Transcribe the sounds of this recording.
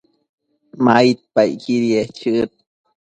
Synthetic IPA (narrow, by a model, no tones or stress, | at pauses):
mait̪̚pajkiɾiet͡ʃɨt̪̚